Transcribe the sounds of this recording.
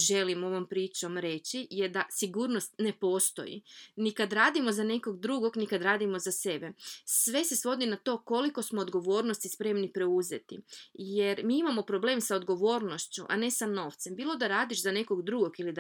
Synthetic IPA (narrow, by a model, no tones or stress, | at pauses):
ʒe̞limo̞ʋo̞mpɾiːt͡ʃo̞mɾe̞t͡ɕijed̪asiɡuːɾno̞st̪ne̞po̞st̪o̞̰jḭnikad̪ɾaːd̪imo̞zane̞ko̞ɡd̪ɾuɡo̞ɡnikad̪ɾaːd̪imozase̞be̞sʋe̞se̞sʋo̞d̪inat̪o̞ːko̞liko̞smoːd̪ɡo̞ʋo̞ːɾno̞st̪ispɾe̞mnipɾe̞uze̞t̪ḭjeɾmiːimamo̞pɾo̞ble̞ːmsaod̪ɡo̞ʋo̞ːɾno̞ʃt͡ɕṵʔa̰ne̞sano̞ːʋt̪se̞mbiːlˠo̞d̪aɾaːd̪iʃzane̞ko̞ɡd̪ɾuɡo̞ɡilid̪